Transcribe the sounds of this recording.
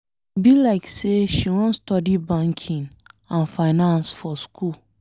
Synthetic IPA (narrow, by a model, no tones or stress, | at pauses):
bilaɪkseʃiwɔ̃nstɔdibãŋkʰĩnãnfaɪnãnsfɔskʰul